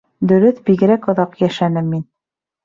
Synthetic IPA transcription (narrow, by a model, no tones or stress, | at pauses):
d̪ɵ̆ɾɵθbiɣɘ̆ɾækŏðɑqjæʃænɘmːin